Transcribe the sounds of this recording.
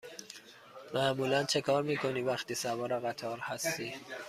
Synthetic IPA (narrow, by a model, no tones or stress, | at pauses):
mæʔmuːlænt͡ʃʰe̞kʰɒːɾmiːkʰo̞niːvæxt̪iːsævɒːɾɒɣæt̪ʰɒːɾhæst̪iː